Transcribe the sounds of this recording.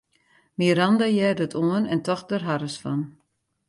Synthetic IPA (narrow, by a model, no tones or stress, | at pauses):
miɾandajɛːdətʰuənɛntɔxdərɦaɾəsfɔ̰n